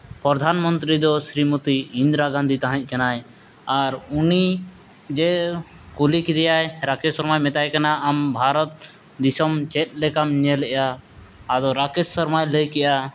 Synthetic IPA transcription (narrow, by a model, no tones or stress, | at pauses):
pɾɔd̪ʱanmɔnt̪ɾid̪ɔsɾimɔt̪iind̪ɾaɡãnd̪ʱit̪aɦãɲc̚ˀkanaj | aɾuni | d͡ʒɛ | kulikid̪ɛjajɾakɛssɔɾmajmɛt̪ajkanaambʱaɾɔt̪̚ | d̪isɔmt͡ʃɛt̪̚ˀlɛkamɲɛlɛʔjaː | d̪ɔɾakɛssɔɾmajləjkɛʔja